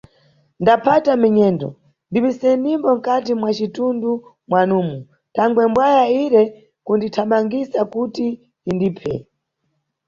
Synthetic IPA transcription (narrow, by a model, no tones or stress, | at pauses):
ndapʰatamiɲɛːndɔ̰ | ndiɓisɛnimbɔŋ̩katimwat͡ʃitundu | mwanuːmu | tʰaŋɡwɛmbwajaiɾɛ | kunditʰaɓaŋɡisakutiː | ndiːpʰɛ̰